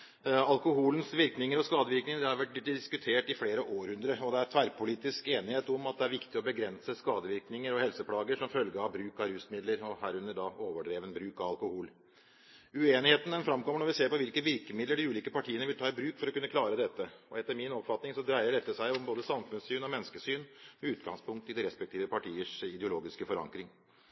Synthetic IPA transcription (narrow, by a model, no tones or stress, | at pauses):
ɑlkʊhuːln̩sʋɪɾknɪŋəɾɔskɑːd̪əʋɪɾknɪŋəd̪ɛɑɾʋæʈ̪̚ɪskʉt̪ʰeːʈɪfleːɾəʔoːɾhʉnd̪ɾəɔd̪ɛæɾt̪ʰʋæɾpʊliːt̪ɪskeːnɪheːt̪ɔmɑt̪̚d̪ɛæɾʋɪkt̪ɪɔbəɡɾɛnsəskɑːd̪əʋɪɾknɪŋəɾɔhɛlsəpʰlɑːɡəʂɔmfœlɡəɾɑbɾʉːkɑɾʉsmɪd̪ləɾɔhæːɾʉnːəɖɑoːʋəɖɾeːʋənbɾʉːkɑʋɑlkʊhuːl | ʉeːnɪheːt̪nd̪ɛnfɾɑmkɔməɳɔʋɪseːɾpɔʋɪlkəʋɪɾkəmɪd̪ləɖɪʉːliːkəpɑʈʰiːənəʋɪlt̪ɑːɪbɾʉːkfɔɾɔkʉnːəklɑːɾəd̪ɛt̪ːəɔɛt̪ːəɾmɪnɔpfɑt̪nɪŋsɔd̪ɾæɪəɖɛt̪ːəʂæɪɔmboːd̪əsɑmfʉnsyːnɔmɛnːskəsyːnmɛʉːt̪ɡɑ̰ŋspʊŋkt̪ɪd̪ɛɾɛspɛk̚t̪ʰiːʋəpɑʈʰiːəʂɪd̪ɛʊloːɡɪskəfɔɾɑ̰ŋkɾɪŋ